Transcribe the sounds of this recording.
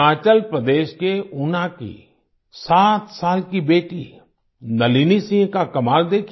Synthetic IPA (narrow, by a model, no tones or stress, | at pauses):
aːt͡ʃəlpɾəd̪eːʃkeʊnãkḭ | saːt̪saːlkibeːʈḭ | nɐliːnisɪ̃kakɐmaːld̪eːkʰ